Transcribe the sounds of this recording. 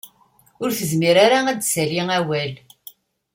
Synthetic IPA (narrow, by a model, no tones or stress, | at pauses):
ʊɾθəzmiɾaɾaæd̪sæliŋæwæl